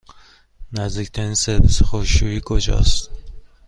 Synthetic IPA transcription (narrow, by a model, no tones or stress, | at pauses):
næzd̪icʰʲt̪ʰæɾiːnseɾvisexoʃujiːkʰod͡ʒɒ̰ːst̪